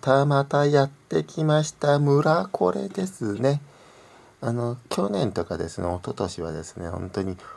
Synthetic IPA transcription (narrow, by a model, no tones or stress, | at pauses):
t̪amat̪ajat̪ːe̞kʲimaɕi̥t̪amɯ̟ɾakʰo̞̰ɾe̞̰d̪̥e̞sɨne̞ | ano̞kʲo̞nẽ̞nt̪o̞kad̪e̞sɨnḛo̞t̪o̞t̪o̞ɕiβ̞a̰d̪e̞sɨ̥nehõ̞̰nt̪o̞ɲ̟i